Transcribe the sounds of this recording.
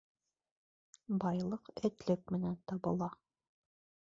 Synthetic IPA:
bɑjlˠɤqɘ̆t̪lɘk̚mɘ̆nænt̪ɑbɤ̆lˠɑ

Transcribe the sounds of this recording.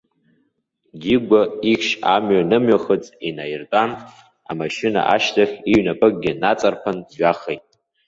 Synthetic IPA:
ɡʲiɡʷaikʲʃamɥanɨmɥaχət͡sʼinajrtʼan | a̰maʃɪna̰ʔaʃtʰaχʲiɥnapʼɨk̚ʼɡʲɪnat͡sʼarpʰandʒaχejtʼ

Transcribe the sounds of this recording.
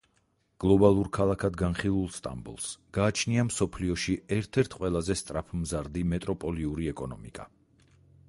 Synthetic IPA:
ɡ̥lˠɔbalˠuɾkʰalˠakʰad̪ɡanχilˠulˠst̪ʼa̰mbṵlˠsɡ̥aːt͡ʃʰniamsɔpʰliɔʃiɛɾt̪ʰɛɾt̪ʰqʼwɛlˠazɛst̪ʼɾapʰmzaɾd̪imɛt̪ʼɾɔpʼɔliuɾiɛkʼɔnɔmḭkʼa

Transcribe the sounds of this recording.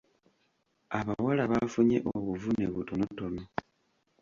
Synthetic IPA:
aβawalaβafuɲḛʔoβuvuneβutonotono

